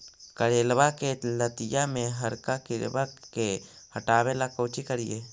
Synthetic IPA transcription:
kəɾeːlwakelət̪ɪjamẽɦəɾkakɪɾbake | həʈaːwelakoːt͡ʃikəɾijeː

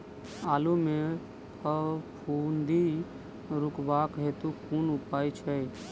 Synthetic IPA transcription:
aːlume | əpʰund̪i | ɾukbakɦet̪ukʰunupaːjt͡ʃʰɛ

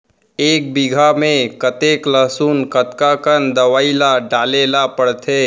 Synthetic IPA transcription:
eːk̚bɪɡʱamẽkət̪eːkləsuːnkət̪kakənd̪əʋaːilaɖaːlelapəɽt̪ʰeː

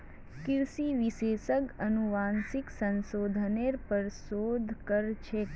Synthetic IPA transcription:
kɪɾsiʋɪseːsəkənuʋaːnsɪksənsoːd̪ʱəneɾpəɾsoːd̪ʱkəɾt͡ʃʰe

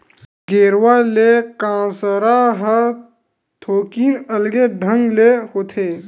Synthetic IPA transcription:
ɡeːɾwaːlekãːsəɾaɦə | t̪ʰoːkiːnɐlɡeɖʱə̃ŋɡlehoːt̪ʰeː

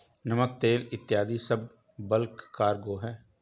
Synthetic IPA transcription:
nɐmək̚t̪eːlɪt̪ːɪjaːd̪isɐb̚ː | əlkːaːɾɡoːɦɛː

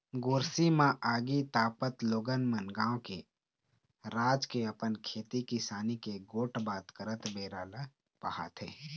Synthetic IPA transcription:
ɡoːɾsimãʔaːɡit̪aːpət̪loːɡənmənɡãːõke | ɾaːd͡ʒkeɐpənkʰeːt̪ikisaːnikeɡoːʈbaːt̪kəɾət̪beːɾaːla | pɐha̰ːt̪ʰḛː

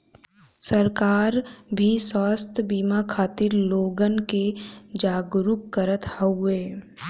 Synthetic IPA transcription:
səɾkaːɾbʱiswaːst̪ʰəbiːmakʰaːt̪ɪɾloːɡənked͡ʒaːɡɾukːəɾət̪həʊeː

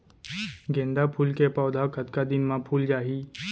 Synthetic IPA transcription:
ɡẽːnd̪apʰuːlkepɔːd̪ʱakʰət̪kad̪ɪnmãpʰuːld͡ʒaːɦiː

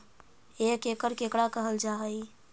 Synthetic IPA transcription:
ekekəɾkekɽakəɦəld͡ʒaɦəi

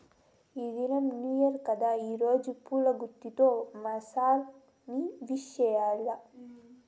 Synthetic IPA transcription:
id̪inɐmnijɐɾkɐd̪aːiːɾoːd͡ʒupuːlɐɡut̪ːit̪oːmɐsaːl | niʋiʃjɛjaːlɐ

